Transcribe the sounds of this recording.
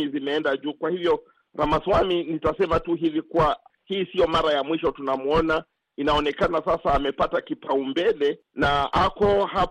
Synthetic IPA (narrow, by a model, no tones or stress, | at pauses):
izimɛɛndaʄuːkwahivjɔ | ɾamaswaminitasɛmatuɦivikuwahiːsiɔmaɾajamwiʃɔtunamuɔna | inaɔnɛkanasasaːmɛpatakipaumbɛlɛ | naakɔha